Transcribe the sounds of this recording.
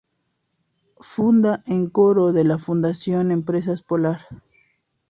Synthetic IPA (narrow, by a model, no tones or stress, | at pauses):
fund̪aʔeŋkoɾoðelafund̪asjo̞nempɾes̬aespolaɾ